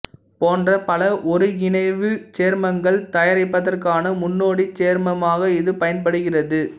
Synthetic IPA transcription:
poːndrɐpɐlɐʔɔɾɯɪnɐɪʋɯt͡ʃeːɾmɐŋɡɐɭt̪ɐjɐɾɐɪpːɐðɐrkaːnɐmʊnːoːɽit͡ʃeːɾmɐmaːɣɐɪðɯpɐjɐnpɐɽɯɣɪrɐðɯ

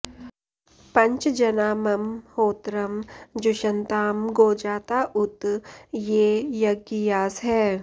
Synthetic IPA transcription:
pɐ̃ɲt͡ʃd͡ʒɐnaːmɐmhoːt̪ɾɐmd͡ʒʊʃənt̪aːmɡoːd͡ʒaːt̪aʔʊt̪jeːjɐɡijaːsɦɛː

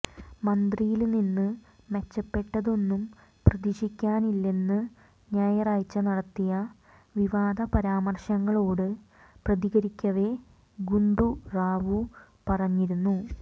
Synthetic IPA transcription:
mɐnd̪rijilninːɨ | me̞t͡ɕːɐpːe̞ʈːɐðo̞nːum | prɐd̪iɕikʲːaːnilːe̞nːɨ | ɲaːjɐraːjt͡ɕːɐnɐɽɐt̪ːijɐ | ʋiʋaːd̪ʱɐpɐɾaːmɐrɕɐŋːɐɭo̞ːɽɨ | prɐðiɣɐɾikʲːɐʋe̞ | ɡuɳɖuraːʋu | pɐrɐɲːiɾunːu

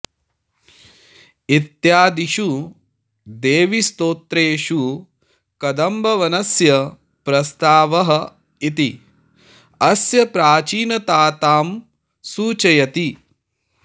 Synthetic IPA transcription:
it̪jaːd̪iʃu | d̪eːʋist̪oːt̪ɾeːʃu | kɐd̪ɐmbʱɐʋɐnɐsjɐ | pɾɐst̪aːʋɐɦɐ | it̪i | ɐsjɐpɾaːt͡ʃiːnɐt̪aːt̪aːm | suːt͡ʃɐjɐt̪i

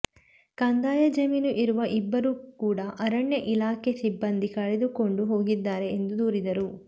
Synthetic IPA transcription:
kɐnd̪aːjɐd͡ʒɐmiːnuʔiɾuʋɐʔibːɐɾuːkuːɽɐʔɐɾɐɳjɐʔilaːkʰe̞sibːɐnd̪ikɐɭed̪uko̞ɳɖuɦo̞ːɡid̪ːaːɾe̞ːnd̪ud̪uːɾid̪ɐɾu

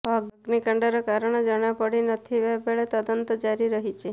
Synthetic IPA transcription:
əɡnikəɳɖəɾakaɾəɳ̃ed͡ʒəɽ̃apəɽinət̪ʰiʋebeɭet̪əd̪ənt̪d͡ʒaɾiɾəɦit͡ʃʰe

